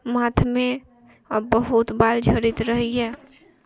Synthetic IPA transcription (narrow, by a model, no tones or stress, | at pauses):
mat̪ʰme | bəɦut̪bald͡ʒʱəɾit̪ɾəɦijɛ